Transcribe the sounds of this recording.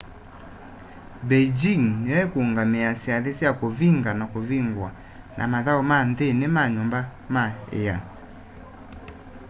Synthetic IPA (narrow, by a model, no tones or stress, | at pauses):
bɛd͡ʒiŋnɛkoːŋɡameasjaðesjakoviŋɡanakoviŋɡwa | nʔa̰maðaomanðenemaɲombamaḛja